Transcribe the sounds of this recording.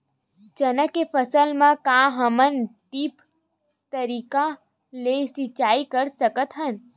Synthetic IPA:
d͡ʒənəkːepʰəsəlmãkãɦəmənt̪ip | t̪əɾiːka | lesɪt͡ʃaːikəɾsəkət̪ɦən

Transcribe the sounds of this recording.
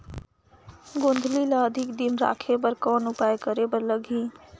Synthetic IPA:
ɡõːnd̪ʱlilaəd̪ʱɪkd̪imɾa̰ːkʰep̬əɾkɔːnʊpajkəɾepəɾləɡʱĩ

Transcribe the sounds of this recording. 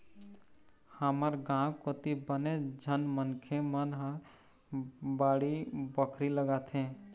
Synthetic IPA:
həməɾɡãkot̪ibəned͡ʒʱənmənkʰemənɦə | baːɽibəkʰɾiləɡat̪ʰẽ

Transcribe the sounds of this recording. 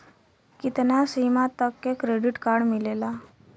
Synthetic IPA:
kit̪nasimat̪ːəkːekɾeɖiʈkaɾɽmilela

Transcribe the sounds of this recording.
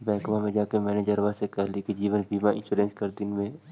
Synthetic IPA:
bɛ̃ːkmamẽd͡ʒaːkemɛːned͡ʒəɾʋasekaɦlikid͡ʒiːʋənbiːmãɪ̃nʃuːɾẽːnskɐɾd̪ɪnmẽ

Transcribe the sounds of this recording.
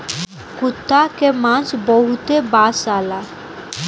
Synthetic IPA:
kut̪ːakemãsbɔɦut̪ebasala

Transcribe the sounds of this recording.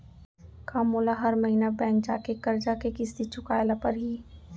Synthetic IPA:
kaːmolaɦɐɾmɐɦinabɛ̃ːŋk̚d͡ʒaːkekɐɾd͡ʒakekɪsd̪it͡ʃʰʊkaːjlapɐɾɦiː

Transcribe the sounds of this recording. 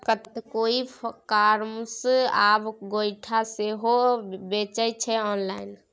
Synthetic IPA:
kət̪t̪koikaɾmsabɡojʈʰaseɦobet͡ʃəjt͡ʃʰɛɔnlain

